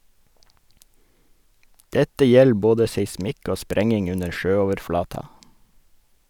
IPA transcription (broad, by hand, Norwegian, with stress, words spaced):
ˈdɛtə ˈjɛl ˈboːdə seɪˈsmɪk ˈoː ˈspɾɛŋɪŋ ˈʉnəɾ ˈʃøːˌoːʋəɾˌflɑːtɑ